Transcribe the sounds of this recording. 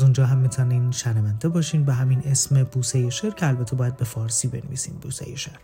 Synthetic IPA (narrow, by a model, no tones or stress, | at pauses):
zund͡ʒɒːɦæmːit̪ʰæniːmʃænvænd̪e̞bɒːʃiːmbeɦæmine̞sme̞buːsejeʃeɾcʰeælbæt̪ʰːebɒːjæd̪̚be̞fɒːɾsiːbe̞nvḭːsḭːmbuːsḛjeʃeɾ̥